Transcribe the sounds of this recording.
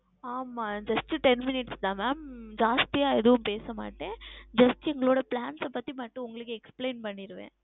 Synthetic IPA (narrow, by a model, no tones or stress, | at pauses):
aːmaːd͡ʒɐsʈːɯʈɛnmɪnɪʈsd̪ãːmaːmd͡ʒaːst̪ɪjaːɛðɐʋʊmpeːsɐma̰ːʈːẽːd͡ʒɐsʈːɯɛŋɡɐɭoːɽɐpɭaːnsɛpːɐt̪ːimɐʈːɯ̃ʊŋɡɐɭɯkːɯɛkspleːnpɐɳːɪɾɯʋḛ̃ː